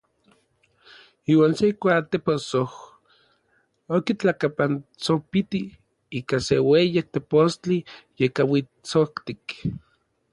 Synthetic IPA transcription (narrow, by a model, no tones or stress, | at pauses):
iːwaːnsekʷat̪eposoh | okit͡ɬakapant͡sopit̪i | iːkasewejek̚t̪epost͡ɬijekawi | t͡sokt̪ik